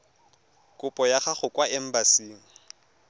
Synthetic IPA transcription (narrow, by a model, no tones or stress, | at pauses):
kʼʊpʼɔjaχaχʊkʼwaɛm̩basiːŋ̩